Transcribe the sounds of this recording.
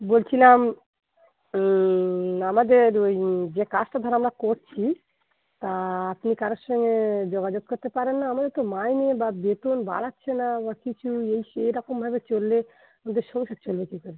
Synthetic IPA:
bolt͡ɕʰilam | amad̪eɾojd͡ʑekasʈad̪ʱɔɾaamɾakoɾt͡ɕʰi | t̪aapnikaɾoɾʃɔŋɡed͡ʑoɡad͡ʑoɡ̚koɾt̪epaɾenːaamad̪eɾt̪omajnebabet̪onba̰latːɕʰenabakit͡ɕʰuejejɾɔkombʱabet͡ɕolːe | amad̪eɾʃɔmoʃat͡ɕolbekikɔɾe

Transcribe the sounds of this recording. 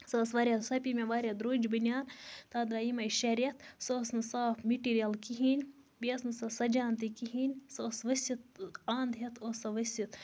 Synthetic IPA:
sɐːsʋɐɾʲjɐsɐpʲimʲeʋaːɾjɐd̪ɾoːd͡ʒbɨnʲjaːnt̪aːd̪aimɐʃɐɾijɐt̪soːsnɨsaːfʰmiʈiːɾijɐlkiɦinʲ | biɐsnɨsɐsɐd͡ʒaːnt̪ikiɦinʲsoːsʋɐsʲit̪̚aːnd̪ɦɐt̪ʰoːsɐʋɐsʲit̪

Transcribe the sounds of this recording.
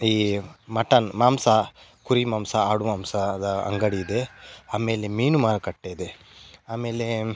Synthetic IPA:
iːmɐʈɐnmaːmsɐkuɾimaːmsɐaːɽumaːmsɐd̪ɐɐ̰ŋɡɐɽiːd̪eaːmeːlemiːnumaːɾɐkɐʈːeːid̪e | aːme̞ːle

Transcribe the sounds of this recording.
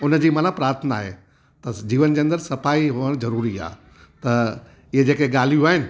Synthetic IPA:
ʊnəd͡ʑiːmãːnapɾaːɾt̪ʰənaːɦḛː | t̪ɐd͡ʑiːʋənd͡ʑeːɐnd̪əɾsɐfaːiɦʊəɽ̃zɐɾuːɾia̰ː | t̪ɐ | ɪɦed͡ʑeːkeɠaːl̤ijuaːɦɪnɪ̆

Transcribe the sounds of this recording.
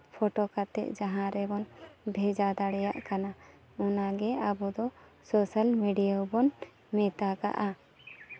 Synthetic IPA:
pʰɔʈɔkat̪ɛ̰ʔ̚d͡ʒãɦãɾɛbɔnbʱɛd͡ʒad̪aɽɛja̰ʔkana | ɔnaɡɛabɔd̪ɔ | sɔsalmiɖijawbɔn | mɛt̪aka̰ʔa

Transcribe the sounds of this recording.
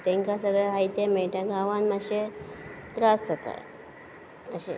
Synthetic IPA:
t̪ẽŋkasəɾəɦajt̪emɛʈaɡaʋanmaɕet̪ɾasd͡zət̪a̰ | əɕḛ

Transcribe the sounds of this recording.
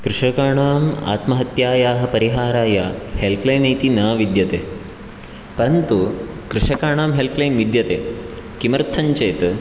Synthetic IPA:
kɾɪʂɐkaːɳaːma̰ːt̪mɐɦɐt̪jaːjaːɦɐ̆pɐɾiɦaːɾaːjahelplɐjnɐjt̪inaːʋid̪jɐt̪eː | pɐɾɐnt̪u | kɾɪʂɐkaːɳaːmɦelplɐjnʋid̪jɐt̪eː | kimɐɾt̪ʰɐɲt͡ʃɐjt̪

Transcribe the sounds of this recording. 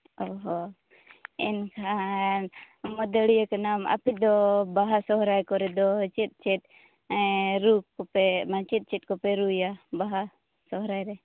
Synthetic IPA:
ɔɦɔ | ɛnkʰa | mɔd̪əɽijakanama̰pid̪ɔbaɦasɔɦɾajkɔɾɛd̪ɔt͡ʃɛt̪̚ˀt͡ʃɛt̪̚ | ɾuɔpɛmat͡ʃit̪̚t͡ʃɛt̪̚ˀkɔpɛɾujabaɦa | sɔɦɾajɾɛ

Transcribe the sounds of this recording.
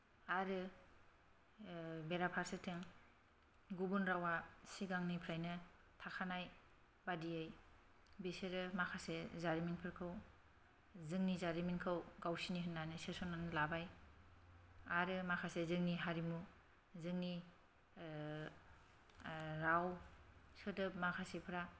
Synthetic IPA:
aɾɯ | beɾapʰaɾsɯtʰeŋ | ɡubunɾawasiɡaŋnipʰɾajnɯ | tʰakʰanaj | badiɯj | biseɾɯmakʰasezaɾiminpʰɯɾkʰɯw | zɯŋnizaɾiminkʰɯwɡawsiniɦɯnːanɯsesɔnanlabaj | aɾɯmakʰasezɯŋniɦaɾimu | zɯŋni | ɾawsɯtɯpmakʰasepʰɾa

